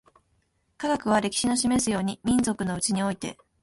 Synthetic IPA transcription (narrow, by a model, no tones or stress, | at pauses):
kaɡakɯ̟β̞aɾe̞kʲi̥ɕino̞ɕime̞sɨjo̞ːɲ̟imʲĩnzo̞kɯ̟no̞ɯ̟t͡ɕiɲ̟io̞it̪e̞̰